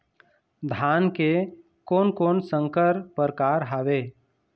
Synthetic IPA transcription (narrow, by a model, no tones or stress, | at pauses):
d̪ʱaːnke | koːnkoːnsə̃ŋkəɾpəɾkaːɾɦaːʋeː